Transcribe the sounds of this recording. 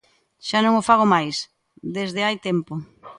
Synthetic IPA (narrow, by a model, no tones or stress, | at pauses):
ʃanõŋofaɣ̞omajs | d̪ezðɪajt̪empo